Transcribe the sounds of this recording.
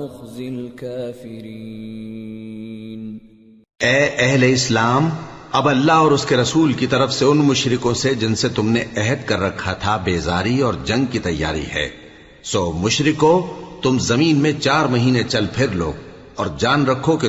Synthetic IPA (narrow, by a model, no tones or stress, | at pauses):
ʊxzɪkaːfɪɾi | n | ɛːʔɛɦleɪslaːmɐbɐlːaɦɔːɾʊskeɾɐsuːlkit̪ɐɾəfseʊnmʊʃɾɪkõsed͡ʒɪnset̪ʊmneɛɦɛd̪kɐɾːɐkʰːat̪ʰabeːzaːɾiɔːɾd͡ʒɐ̃ŋɡ̚kit̪ɐjːa̰ːɾḭɦɛ̰ː | soːmʊʃɾɪkot̪ʊmzɐmiːnmẽt͡ʃaːɾmɐɦiːnet͡ʃɐlpʰɪɾlo̰ː | ɔːɾd͡ʒaːnɾɐkʰoke